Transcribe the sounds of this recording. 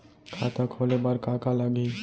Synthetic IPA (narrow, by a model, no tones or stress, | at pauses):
kʰaːt̪akʰoːlebaɾkaːkalaɡi